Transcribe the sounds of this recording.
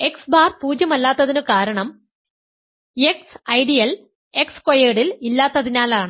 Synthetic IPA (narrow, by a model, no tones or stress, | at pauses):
e̞ksbaːrpuːd͡ʑjɐmɐlːaːt̪ːɐðinɨkaːɾɐɳɐm | eksɐjɖijɐl | e̞kskojeːɽililːaːt̪ːɐðinaːlaːɳɨ